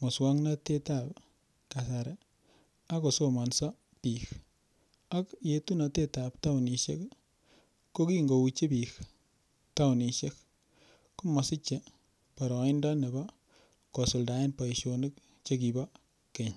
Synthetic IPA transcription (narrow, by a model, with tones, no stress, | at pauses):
mɔ˨swa˦ŋna˦te˦ta˨p | ka˨sa˨ɾɛ˨ | a˦ko˨so˦ma˨nsɔ˦ | pix | a˦kje˨tu˦na˨te˦ta˨pta˦wni˨ʃḛ˦k | ko˦ki˦ŋɡo˨u˨t͡ʃe˦pi˨k | ta˦wni˨ʃe˦k | kːo˦mɔ˨sɪ˦t͡ʃe˨ | pa˨ɾɔ˨i˦nda˦ne˨ba˦ | kɔ˨so˨lda˨e˦npa˨i˨ʃonɪ˦k̚ | t͡ʃe˦ki˨ba˦ | ke˨ɲ